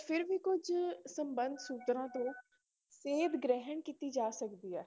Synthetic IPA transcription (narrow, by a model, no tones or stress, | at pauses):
fɪɾʋikʊd͡ʒsə̃mbə̃nd̪ʱsuːt̪ɾãt̪õː | seːbɡɾɛɦəɳkit̪id͡ʒaːsɐkd̪iːɛː